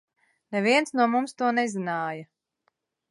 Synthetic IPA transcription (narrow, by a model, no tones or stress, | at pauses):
nɛviɛnsnuɔmumst̪uɔnɛzinaːjɐ